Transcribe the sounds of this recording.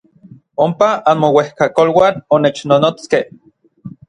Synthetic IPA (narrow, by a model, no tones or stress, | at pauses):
ompaanmowehkakolwaːnonet͡ʃnonot͡skeh